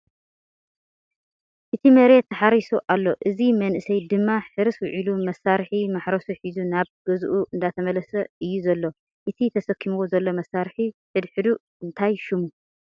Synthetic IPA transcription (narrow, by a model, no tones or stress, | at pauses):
ʔɨt̪ʰimɐɾet̪ʰːɐħaɾisuʔalːo̞ʔɨzimɐnʔɨsɐjd̪ɨmːaħɨɾɨswʊʕilumɐsːaɾħimaħɾɐsuħizunaβɡ̥ɐzʔuʔɨnd̪at̪ʰɐmɐlɐsɐɨjːuzɐlːo̞ | ʔɨt̪ʰit̪ʰɐsɐkʰːimuzɐlːo̞mɐsaɾħiħɨd̪ħɨd̪uʔ | ɨnt̪ʰajʃɪmu